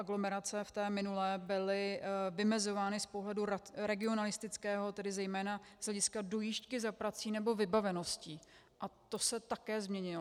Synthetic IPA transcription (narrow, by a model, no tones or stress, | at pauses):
aɡlo̞mɛɾat͡sɛft̪ɛːmɪnulɛːbɪlɪvɪmɛzo̞vaːnɪspo̞ɦlɛduɾaɾɛɡɪo̞nalɪst̪ɪt͡skɛːɦo̞t̪ɛdɪzɛjmɛːnaz̥ɦlɛɟɪskado̞jiʃckɪzapɾat͡siːnɛbo̞vɪbavɛno̞sciː | ʔat̪o̞sɛt̪akɛːzmɲɛɲɪlo